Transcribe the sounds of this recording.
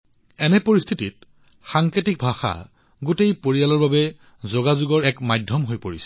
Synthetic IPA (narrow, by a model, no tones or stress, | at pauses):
ɛnɛpoɹist̪ʰitit̚ | xaŋketik̚bʱaxa̰ | ɡotejpoɹijalɔɹbabɛ | zoɡazuɡɔɹɛkmajdʱjɔmɦojpoɹisɛ̥